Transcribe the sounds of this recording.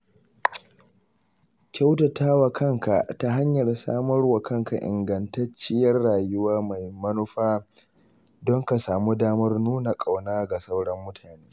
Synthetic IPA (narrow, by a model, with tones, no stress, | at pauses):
kʲa˦wtɐ˨taː˦wa˨kʰɐ˦ŋka˨ta˦ɦa˦ɲjɐ˨rsa̰ː˦mɐ˦rwɐ˨kɐ˦ŋka˨ʔɪ̰˨ŋɡɐ˨ntɐ˦t͡ʃːɪ˦jɐ˦rːaː˨jʊ˦waː˦ma˨jmɐ˦nʊ˦ɸaː˦ | dɔ˦ŋka˨saː˨mu˦daː˦mɐ˦rnuː˦na˨kʼa˨wnaː˦ɡa˨sa˦wɽɐ˦mːʊ˦tʰaː˨neː˦